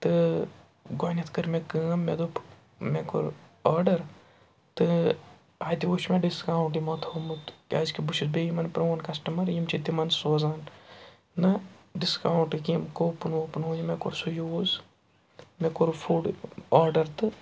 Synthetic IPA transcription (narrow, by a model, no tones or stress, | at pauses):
t̪ɨ | ɡoːnʲɐt̪ʰkɨɾmekɨːɐmːed̪up | mekoɾaːɾɖɐɾ | t̪ɨ | aːt̪ʲioːʃmeɖiskaːwuɳʈimɐt̪ʰoːmɨt̪kʲaːzkibuʃizbeːjimɐnpɾoːnkɐsʈɐmɐɾjimt͡ʃʰit̪imɐnsoːzaːn | nɐɖiskaːwɳʈkimkopunoːpunoːjimekoɾsujoːz | mekoɾfuːɖaːɾɖɐɾt̪ɨ